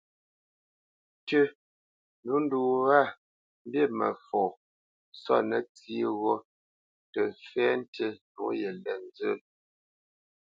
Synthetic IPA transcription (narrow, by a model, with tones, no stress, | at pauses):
tə˦ | nu˨˦n̩˦du˨wa˦˨ | m̩˦bje˦˨mə˨fɔː˨ | sɔ̰˦˨nə˦t͡si˦ɣo˦ | tə˨fɛ˦n˦tə˦nu˨˦jɛ˨lɛ˨n˦d͡zə˦˨l